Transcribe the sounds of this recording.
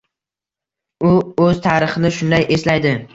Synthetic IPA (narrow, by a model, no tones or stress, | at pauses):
ʊɵzt̪ʰaːɾɪχɪnɪʃʊnd̪ajʔe̞slajd̪ɪ